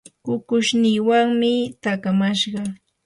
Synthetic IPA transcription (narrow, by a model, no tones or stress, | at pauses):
kʊkʊʃnɪːwaŋmɪt̪akamaʃɢɑ